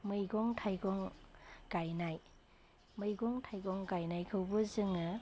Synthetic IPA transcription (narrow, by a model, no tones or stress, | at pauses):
mɯjɡɔŋtʰajɡɔŋɡ̥ajnaj | mɯjɡɔŋtʰajɡɔŋɡajnajkʰɯwbɯzɯŋɯ